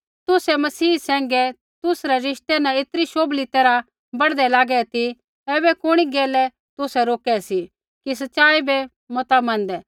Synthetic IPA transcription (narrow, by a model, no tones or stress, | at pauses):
t̪ʊsɛmɐsiːsɛ̃ːŋɡɛ | t̪ʊsɾɛɾɪʃt̪ɛnãɪt̪ɾiʃoːblit̪ɛːɾa | bɐɽd̪ɛlaːɡɛt̪i | ɛːbɛkʊɽ̃iɡɛːlɛ | t̪ʊsɛɾoːkɛsi | kis̬ɐtːʃaːibɛ | mɐt̪amɐ̃nd̪ɛː